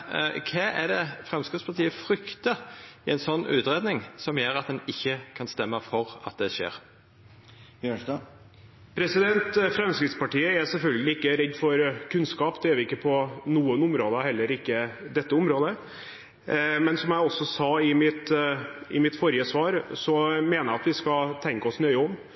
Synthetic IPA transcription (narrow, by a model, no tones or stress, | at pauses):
kʰɛːʔæɖɛfʁɛmskɪt̪spʰɑʈ̪iːəfɾʏkt̪əɪɛnsɔnːʉ̰ːt̪ɾeːd̪nɪŋsɔmjøːɾɑt̪̚d̪ɛnɪçːəkʰɑnst̪ɛmːəfɔɾɑ̰t̪̚d̪ɛʂḛːɾ | pʰɾɛsɪd̪ɛnt̪fɾɛmskɾɪt̪spɑʈiːəɛɾsɛlfœlɡəlɪɪkːəɾɛd̪ːfɔɾkʰʉnskɑːpd̪ɛjøːʋɪkːəpʰɔnuːənʊmɾoːd̪əhɛlːəɾɪkːəd̪ɛt̪ːəʊmɾoːd̪ə | mɛnsɔmjæɪɔsːɔsɑːɪmɪt̪ɪmɪt̪fɔɾjəsʋɑːɾsɔmeːnəɾɑt̪ʋɪskɑt̪ʰɛŋkəɔsnœʏɔm